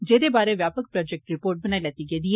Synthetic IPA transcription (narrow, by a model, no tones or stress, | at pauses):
d͡ʒeːd̪ebaːɾeʋjaːpək̚pɾɔːd͡ʒɛk̚ʈɾɪpoːɾʈ̚bɐnaːilɛt̪iɡeːd̪ie